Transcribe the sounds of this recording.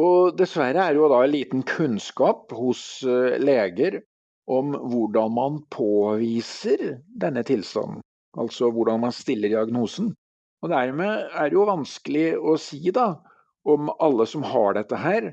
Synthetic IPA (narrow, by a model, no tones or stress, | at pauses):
ɔd̪ɛsʋæɾəæɾjʊd̪ɑnliːt̪nkʰʉnskɑːphʊsleːɡəɾ | ʔɔmʋʊɖɑnmɑnpʰoːʋiːsəɾd̪ɛnːət̪ʰɪlst̪ɑ̰nn̩ | ʔɑ̰lt̪sɔʋʊɖɑnmɑnst̪ɪlːəɖɪɑɡnuːsən̩ | ɔd̪æɾmeːæɖɛjʊʋɑnskəlɪɔsiːd̪ɑ | ɔmɑlːəsɔmhɑ̰ɖɛt̪ːəɦæːɾ